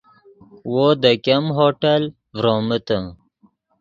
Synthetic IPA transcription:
wod̪əkemɦoːʈɐl | vɾoːmət̪ə̃

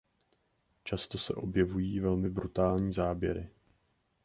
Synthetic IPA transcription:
t͡ʃast̪o̞sɛ̰ʔo̞bjɛvujiːvɛlmɪbɾut̪aːlɲiːzaːbjɛ̰ɾɪ

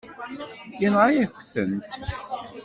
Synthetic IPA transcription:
inʁajæçθənt̪

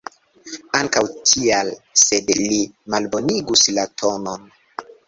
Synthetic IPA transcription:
aŋkawtʰialse̞dlimalbo̞niɡuslatʰo̞no̞n

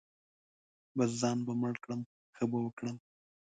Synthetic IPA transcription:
baszɑnbaməɽkɽəm | xəbawəkɽəm

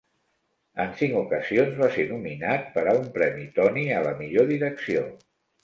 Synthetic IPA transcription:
ənsiŋkukəzionzβasenuminat̪̚pəɾaumpɾɛmit̪ɔniələmiʎoðiɾəksio

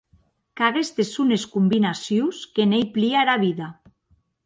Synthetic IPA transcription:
kaɣest̪esuneskumbinasjuwskenejpliaɾaβiða

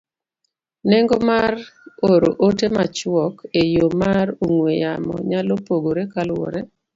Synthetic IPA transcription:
neŋɡɔmaroɾoʔotemat͡ʃwɔkejomaɾoŋweja̰mɔ̰ɲalopoɡoɾekalwɔ̰ɾe

